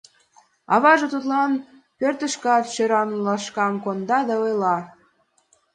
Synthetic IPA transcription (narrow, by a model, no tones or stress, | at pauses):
ɑβɑʒɤ̆t̪ut̪lɑn | pørt̪ə̆ʃkɑt̪ʃøɾɑnlɑʃkɑmkond̪ɑd̪ɑojlɑ